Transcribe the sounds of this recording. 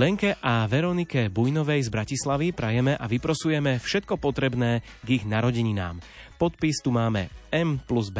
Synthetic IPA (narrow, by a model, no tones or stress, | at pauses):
lɛŋkɛʔaʋɛɾɔnikɛbujnɔʋɛjzbɾacislaʋipɾajɛmɛʔaʋipɾɔsujɛmɛfʃɛt̪̚kɔpɔt̪ɾɛbnɛː | ɡiɣnaɾɔɟɛɲina̰ːmpɔt̪̚pist̪umaːmɛ̰ɛmpluzb